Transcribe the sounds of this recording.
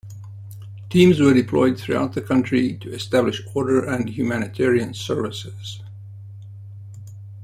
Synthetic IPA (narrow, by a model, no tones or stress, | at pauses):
tʰĩmzwə˞dɨpʰl̥ɔɪd̪̚θɹua̰ʊt̪̚ðɨkʰʌ̃ntɹ̥itʰɨɛstæblɪʃɔɹɾə˞ʔɨ̃nhjʉmænɨtʰɛɹiɨ̃nsɜ˞vɪsɪz̥